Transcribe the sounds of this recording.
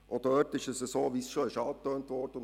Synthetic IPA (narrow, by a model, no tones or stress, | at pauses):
ʔod̥œtɪʃɛsəsoːʋisʃoɪʃɑːt̪øːntvɔːɾd̥əʊn